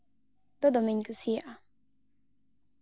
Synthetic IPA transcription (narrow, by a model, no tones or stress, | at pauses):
d̪od̪omiɲkusiʔa